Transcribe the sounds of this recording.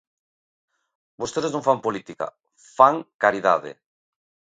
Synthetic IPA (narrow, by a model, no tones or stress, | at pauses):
bost̪eðeznõŋfampolit̪ika̰ | faŋkaɾiðaðɪ̰